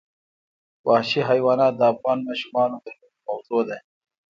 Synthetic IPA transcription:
wɑhʃiɦajwɑːnɑd̪əːfɣɑːnmɑːʃumɑːnot̪ənipawt̪ɾod̪aj

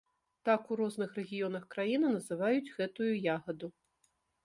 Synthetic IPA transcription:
t̪akuɾɔznɨxrɛɣʲijɔnɐxkɾajinɨnɐzɨvajud͡zʲɣɛt̪ujujaɣɐd̪u

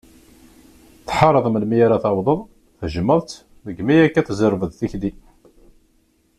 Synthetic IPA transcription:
θħɑɾˤəðˤəməlmijaɾaθawðˤəðˤ | θəʒəməðˤt̪ | ðəɡmijækːæθzəɾvəðθiçd̪i

